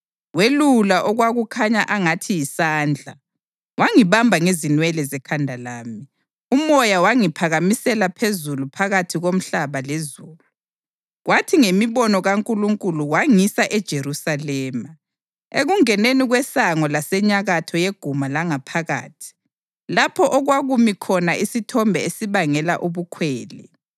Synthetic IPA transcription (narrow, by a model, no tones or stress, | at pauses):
welulaʔɔɣwaɣukʰaɲaʔaŋatʰijisaːnd͡ɮʱa̰ | waŋiβambʱaŋezinwɛlɛzɛkʰandʱalaːmi | umɔjawaŋipʰaɣamisɛlapʰezulupʰaɣatʰiɣom̩ɬaβalezuːlu | ɣwatʰiŋemiβɔnɔɣaŋkʼuluŋkʼuluwaŋisaʔɛd̥ʒ̥ʱeɾusalɛːma | eɣuŋɛneniɣwɛsaŋɔlasɛɲaɣatʰɔjeɡ̥ʱumalaŋapʰaɣa̰ːtʰi̥ | lapʰɔʔɔɣwaɣumikʰɔnaʔisitʰɔmbʱɛesiβaŋɛlaʔuβukʰwɛːlɛ̰